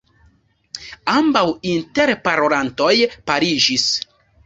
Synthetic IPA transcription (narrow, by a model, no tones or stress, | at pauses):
ambawinteɾpaɾoɾanto̞jpaɾid͡ʒis